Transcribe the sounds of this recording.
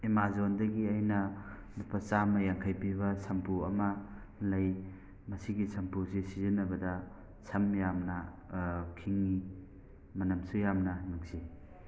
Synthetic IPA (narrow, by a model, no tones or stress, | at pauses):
emazondɐɡiɐjnɐ | bupʰɐt͡ʃamɐjaŋkʰɐjpiβɐsɐmpuɐmɐlɐj | mɐsiɡisʰɐmpusisizinɐbɐdɐ | sʰɐmjamnɐ | kʰiŋːi | mɐnɐmsujamnɐnuŋsi